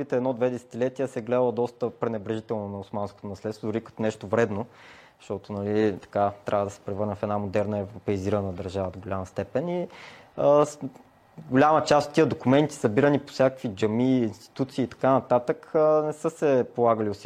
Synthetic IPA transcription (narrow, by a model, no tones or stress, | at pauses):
it̪ɛːd̪nɔd̪vɛd̪ɛsɛ̥t̪ilɛt̪iɛsɛɡlɛd̪əlˠəd̪ɔst̪əpɾɛnɛbɾɛʒit̪ɛlˠnonɐʊsmanskot̪onɐslɛt̪st̪vod̪ʊɾikɐt̪ɔnɛʃt̪ovɾɛd̪no̥ | ʃt̪ɔt̪onɐliit̪ɐ̥kat̪ɾʲʔavəd̪ɐsɛ̥pɾɛvɤɾnɛfɛd̪namod̪ɛɾnəɛvɾopɛiziɾənəd̪ɐɾʒavəd̪oɡolʲamɐst̪ɛpɛni | ə | ɡolʲamət͡ʃast̪ot̪ːiəd̪okumɛnt̪i̥sɐbiɾənipo̥sʲjakə̥kvid͡ʒɐmiːnst̪i̥t̪ut̪siːt̪ɐ̥kanɐt̪at̪əknɛsɤsɛpolˠaɡəliosi